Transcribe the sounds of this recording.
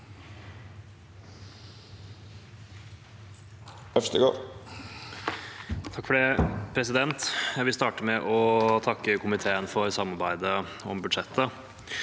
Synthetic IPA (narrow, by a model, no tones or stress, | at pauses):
œfst̪əɡo̰ː | t̪ʰɑkːfɔɖepʰɾɛsɪd̪ɛnt̪jæɪʋɪlst̪ɑːʈəmɛʔɔt̪ʰɑkːəkʰʊmɪt̪ʰeːənfɔɾsɑmːɑɾbæɪd̪ə | ɔ̰mbʉd̪ʂɛt̪ːə